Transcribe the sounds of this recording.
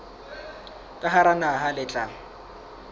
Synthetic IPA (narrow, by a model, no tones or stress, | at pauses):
kʼaɦaɾanaɦalɪt͡ɬʼaŋ̩